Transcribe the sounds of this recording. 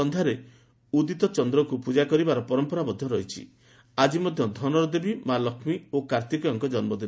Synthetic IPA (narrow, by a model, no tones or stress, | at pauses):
ɔnd̪ʱaɾe | ud̪it̪ɔt͡ʃɔnd̪ɾɔkupud͡ʒakɔɾibaɾɔpɔɾɔmpɔɾabɔd̪ʱjɔɾɔɦit͡ʃʰḭ | ad͡ʒimɔd̪ʱjɔd̪ʱɔnɔɾɔd̪ebimalɔkʰmiokaɾt̪ikɔjɔŋkɔd͡ʒɔnmɔd̪in